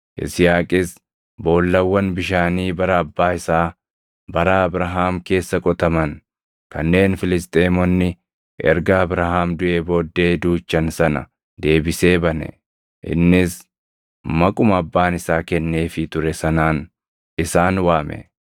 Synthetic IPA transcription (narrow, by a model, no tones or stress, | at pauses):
ʔɪ̰sɪjaːkʼɪs | bo̞ːlːɐwːɐnbɪʃaːniːbɐɾɐɐbːaːɪsaː | bɐɾaɐbɾɐɦaːmke̞ːsːɐkʼɔt̪ɐmɐn | kɐnːe̞ːnfɪlɪst̪ʼeːmɔnːɪ | ʔɛ̰ɾɡaːbɾɐɦaːmd̪ʊʔe̞ːbo̞ːd̪ːe̞ːd̪uːt͡ʃːɐnsɐnɐ̰ | d̪e̞ːbɪse̞ːbɐnɛ̰ | ʔɪ̰nːɪs | mɐkʼʊmɐbːaːnɪsaːkɛnːe̞ːfɪt̪ʊɾɛsɐnaːn | ɪsaːnwaːmɛ̰